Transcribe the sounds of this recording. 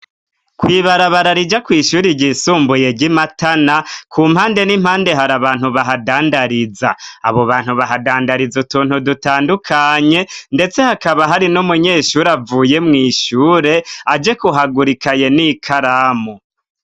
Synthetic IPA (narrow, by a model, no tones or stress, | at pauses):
kwiːβaɾaβaɾaɾid͡ʒakwiːʃuːɾiɟisuːmbuje̞ɟimatanakʰuːmhaːnde̞nim̥haːnde̞ɦaɾaβaːn̥huβaɦadaːndaɾiza̰ːβoβaːn̥huβaɦadaːndaɾizutuːn̥hudutaːndukʰaɲe̞nde̞t͡se̞hakaβaɦaɾinumuɲe̞ːʃuɾavuːje̞mŋiːʃuːɾe̞ad͡ʒe̞kuɦaɡuɾikʰaje̞nikʰaɾamo